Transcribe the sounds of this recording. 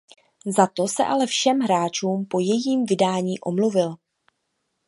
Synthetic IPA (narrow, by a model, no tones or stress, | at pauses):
zat̪o̞sɛ̰ʔalɛfʃɛmɦɾaːt͡ʃuːmpo̞jɛjiːmvɪdaːɲiːʔo̞mluvɪl